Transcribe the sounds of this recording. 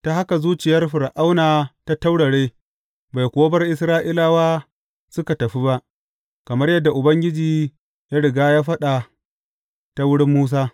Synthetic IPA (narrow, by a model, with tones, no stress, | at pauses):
ta˨ha˦ka˨zuː˦t͡ʃɪ˨jɐ˦rɸɪ˨ɾʔa˦wnaː˨ta˦ta˦wɽɐ˨ɽeː˦ | ba˨jkʷo˨˦bɐ˦rʔɪ˦s̬ɾaː˦ʔi˦laː˦waː˦ | sʊ˦ka˨tɐ˨ɸi˦ba˦ʔ | kɐ˨mɐ˦rjɐ˦dːa˨ʔʊ˨bɐ˦ŋɡʲɪ˦d͡ʒiː˨ | ja˦ɽɪ˨ɡaː˦jaː˦ɸɐ˦ɗa˨ | ta˦wʊ˦ɽɪ˦mːuː˦s̬aː˦